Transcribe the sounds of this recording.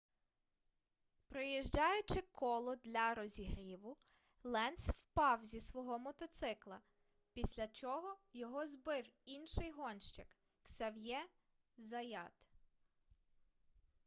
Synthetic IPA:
pɾɔjiʒd͡ʒɑjʊt͡ʃɪkʰɔlˠɔd̪lʲɐɾɔzʲiɦɾʲiʋʊ | lˠɛnswpɑwzʲisʋɔɦɔmɔt̪ɔt̪sɪklˠɐ | pʲisʲlʲɐt͡ʃɔɦɔjɔɦɔzbɪwinʃɪjɦɔnʃt͡ʃɐk | ksɐwjɛ | zɐjɑt̪

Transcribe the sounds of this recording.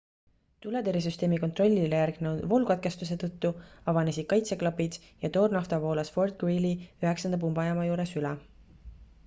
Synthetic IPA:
t̪uled̪eɾis̬yst̪e̞ːmikot̪ro̞lʲːilejæɾɡ̥ned̪volukɑt̪̚ke̞st̪us̬e̞t̪ɤt̪ːuɑvɑnesʲid̥̪̚kɑjt̪se̞klɑpid̪̥ | jɑt̪o̞ːrnɑft̪ɑvo̞ːlɑsfo̞rd̪̚ɡ̥wiliyɦe̞ksɑnd̪ɑp̬umbɑjɑmɑjuːɾe̞sylɛ

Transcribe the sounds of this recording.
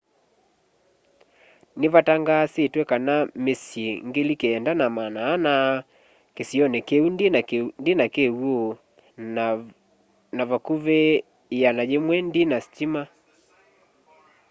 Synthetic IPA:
neβataŋɡasetwɛkanamesjeŋɡelikeːndanamanaːna | kesiɔnekeundindinakewo | naβakuβe | janajemwɛndinasi̥t͡ʃima

